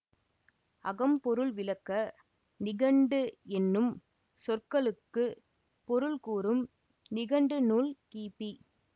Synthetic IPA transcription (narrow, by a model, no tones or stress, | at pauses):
ɐɣɐmpɔɾɯɭʋɪlɐkːɐ | nɪɣɐɳɖɯɛnːɯm | sɔrkɐɭɯkːɯ | pɔɾɯlkuːɾɯm | nɪɣɐɳɖɯnuːlkiːpi